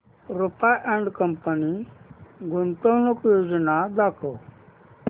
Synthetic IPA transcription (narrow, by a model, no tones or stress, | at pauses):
ɾʊpaʔɛ̃ɳɖkəmpəni | ɡʱʊnt̪oːnəkjoːd͡ʒnad̪aːkʰo